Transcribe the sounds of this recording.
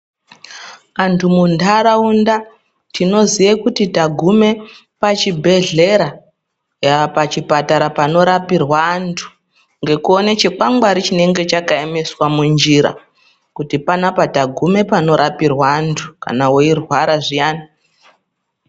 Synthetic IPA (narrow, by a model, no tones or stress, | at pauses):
antʰumundaɾaunda | tino̞zijekutitaɡʱume̞ | pat͡ʃibʱe̞ɮe̞ɾa | japat͡ʃipataɾapano̞ɾapirwaːntʰu̥ | ŋɡe̞kuonet͡ʃek͡paŋɡwaɾit͡ʃine̞ŋɡe̞t͡ʃakaeme̞swamund͡ʒiɾa̰ | kutipanapataɡʱume̞pano̞ɾʔapirwaːntʰu̥ka̰naweirwaɾaʐijaːna